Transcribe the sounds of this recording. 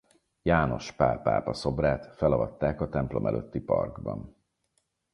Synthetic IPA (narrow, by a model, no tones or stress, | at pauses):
jaːno̞ʃpaːpa̰ːpɒso̞braːt̪fɛlɒvɒt̪ːaːkɒt̪ɛmplo̞mʔɛløt̪ːipɒrɡbɒn